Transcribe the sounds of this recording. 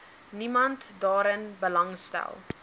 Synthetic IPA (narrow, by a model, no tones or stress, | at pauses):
nimɐntdɑːɾənbəlɐŋstæ̰lˠ